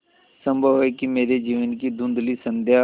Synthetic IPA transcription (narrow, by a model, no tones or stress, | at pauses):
sə̃mbʱəʋeːkɪmeːɾeːd͡ʒiːʋənkiːd̪ʊ̃nd̪liːsənd̪jaː